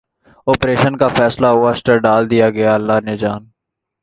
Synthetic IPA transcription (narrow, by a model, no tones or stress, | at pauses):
oːpɾeːʃənkafʰɛːslaɦʊasʈəɾɖaːld̪ijaɡɐjaəlːaːned͡ʒaːn